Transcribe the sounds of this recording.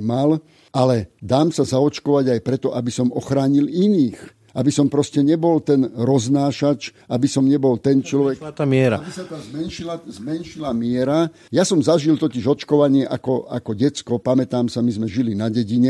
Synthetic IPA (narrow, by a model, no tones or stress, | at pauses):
mal | alɛd̪aːmsazaɔt͡ʃkɔʋaɟajpɾɛt̪ɔʔabisɔmɔxɾaːɲiliniːx | ʔabisɔmpɾɔscɛɲɛbɔlt̪ɛnɾɔznaːʃat͡ʃʔabisɔmɲɛbɔlt̪ɛnt͡ʃlɔʋɛat̪amɪɛɾa̰abisat̪aːzmɛnʃilazmɛnʃilamɪɛɾa | jasɔmzaʒilt̪ɔciʒɔt͡ʃkɔʋaɲɪɛʔakɔa̰kɔɟɛt͡skɔpamɛt̪aːmsamizmɛʒilinaɟɛɟiɲɛ